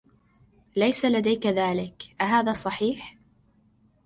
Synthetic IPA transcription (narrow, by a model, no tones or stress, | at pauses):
lajsalad̪ajkaðaːlɪkʔaɦaːðaːsˤɑħiːħ